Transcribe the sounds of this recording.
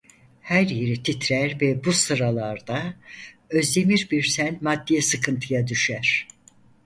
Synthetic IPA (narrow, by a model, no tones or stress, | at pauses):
hæɾje̞ɾit̪ʰit̪ʰɾæɾvɛbusɯɾalˠaɾd̪a | ø̞zd̪e̞miɾbiɾsænmad̪ːijɛsɯkʰɯnt̪ʰɯjad̪yʃæɾ̥